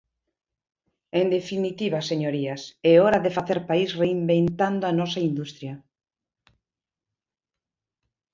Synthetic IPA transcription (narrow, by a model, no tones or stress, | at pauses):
end̪efinit̪iβaseɲoɾiaseɔɾaðefaθeɾpaisreimbent̪and̪oanɔsaind̪ust̪ɾjɐ